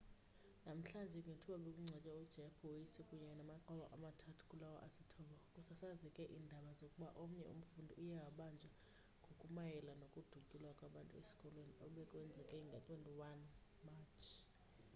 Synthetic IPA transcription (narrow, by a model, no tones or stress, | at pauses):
nam̩ɬand͡ʒʱɛŋɡʱetʰuɓaɓekʼuŋ͡ǀʱɛt͡ʃʼaud̥ʒ̥ʱɛpʰɔwojisikʼuɲɛnamaǃʱɔɓaʔamatʰatʰu̥kʼulawa̰ʔasitʰɔɓakʼusasazɛkʼɛʔiːndʱaɓazokʼuɓaʔom̩ɲɛ̰ṵm̩fundʱiujawaɓand͡ʒʱa | ŋɡʱokʼumajɛlanokʼud̥ʱucʼilwakʼwaɓantʼuesi̥kʼɔlweniɔɓɛkʼwɛnd͡zʱɛkʼɛŋɡʱatʼwentʼiwan | mat͡ʃʰ